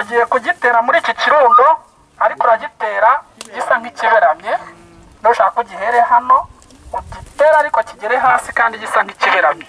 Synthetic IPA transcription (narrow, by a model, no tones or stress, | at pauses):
uɟihekuɟite̞ːɾamuɾiːcociɾuːŋɡo | aɾikoɾaɟiteːɾaɟisaŋ̥iciβeɾamje | nouʃakakuɟiɦeɾeɦano̞ | ɟiteːɾaːɾikociɟiɾeɦaːsikaːndiɟisaŋ̥iciβeɾamje